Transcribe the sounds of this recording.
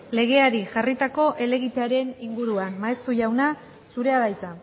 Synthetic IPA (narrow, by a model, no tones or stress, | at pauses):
le̞ɣ̞e̞aɾiʝarit̪ako̞ʔe̞le̞ɣit̪eaɾe̞niŋɡuɾuanmaest̪uʝawna | suɾe̞aðajt͡sa